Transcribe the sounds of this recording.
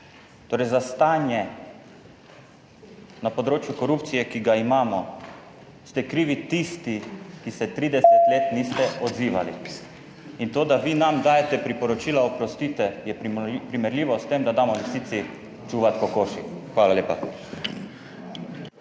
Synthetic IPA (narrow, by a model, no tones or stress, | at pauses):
t̪oːɾɛjzast̪aːnjɛ | napod̪ɾoːt͡ʃjukɔɾupt̪sijɛkiɡaimaːmɔ | st̪ɛkɾiːʋit̪ist̪ikisɛt̪ɾiːd̪ɛsɛt̪leːt̪niːst̪ɛɔd̪ziːʋa̰lḭ | int̪oːd̪aʋinamd̪aːjɛt̪ɛpɾipɔɾɔt͡ʃiːlaopɾɔst̪iːt̪ɛjɛpɾimɛɾlʲiːʋɔst̪emd̪ad̪aːmɔʋisiːt̪si | t͡ʃuʋat̪̚kɔkoːʃikxʋaːlaleːpa